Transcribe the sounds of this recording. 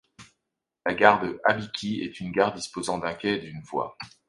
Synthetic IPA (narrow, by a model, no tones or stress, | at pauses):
laɡaʁd̪əʔabikʲʰiɛ̰t̪ynɡaʁd̪ispozɑ̃d̪ɛ̃kʲɛd̪ynvwa̰